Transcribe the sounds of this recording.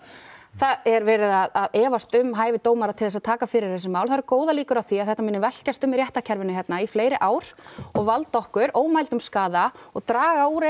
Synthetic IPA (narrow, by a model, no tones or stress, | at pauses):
θaðɛɾvɛːɾɪðaðaðɛːvast̪ʏmɦaːjvɪt̪oːwmaɾat̪ʰɪlɛs̬aðt̪ʰaːkafɪɾɪɾ̥θɛs̬ɪmaːwlθaɾkoːwðaliːkʏɾawθiaðθɛht̪amɪnːɪvɛl̥cast̪ʏmiɾjɛht̪acʰɛɾvɪnʏɦɛt̪naifleːjɾɪʔaːwɾ̥ɔɣvalt̪ɔhkʏɾoːwmajlt̪ʏmskaːðaɔɣt̪ɾaːɣauɾ